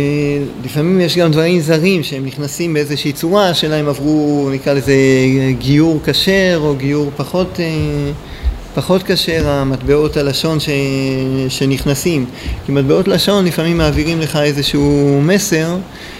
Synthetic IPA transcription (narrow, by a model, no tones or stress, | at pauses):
lifamimjeʃɡamdvaʁimzaʁimʃeemniχnasimbeeze̞ʃiiːt͡suʁaʃelae̞mavʁunikʁale̞ze̞ɡiuʁkaʃe̞ʁo̞ɡijuʁpaχo̞te | paχo̞tkaʃe̞ʁamatbeo̞thalaʃo̞nʃe | ʃe̞niχnasim | kimat̚beo̞tlaʃo̞nlifamimːaːviʁimle̞χae̞zeʃuume̞se̞ʁ